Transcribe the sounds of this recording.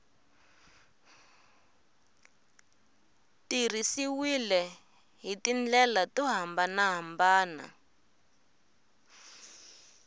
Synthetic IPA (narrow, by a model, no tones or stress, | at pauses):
tir̤isiwilɛ | ɦitind͡ɮɛlatuɦambanaɦambaːna̰